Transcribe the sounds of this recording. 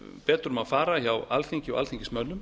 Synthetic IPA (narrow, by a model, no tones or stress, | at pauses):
pɛːt̪ɾʏmaðfaːɾaçawalθʰiɲcɪɔ̰a̰lθʰiɲcɪ̥smœnːʏm